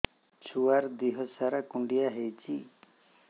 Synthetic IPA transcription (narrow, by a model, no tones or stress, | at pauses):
t͡ʃʰuaɾd̪iɦɔsaɾakuɳɖijaɦejt͡ʃʰi